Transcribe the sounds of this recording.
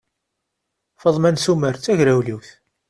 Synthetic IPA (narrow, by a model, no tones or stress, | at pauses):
fəðˤmænsuməɾt͡sːæʝɾæwliwθ